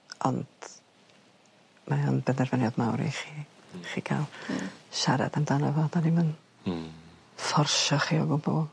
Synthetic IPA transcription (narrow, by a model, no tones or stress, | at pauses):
ɔnd̥ | majɔnbɛnɛrvɛnjɔdmawɾḭχiχikʰa̰lˠʃaɾa̰d̪and̥anavɔdanimən | fɔrʃɔχiɔɡʊbṵ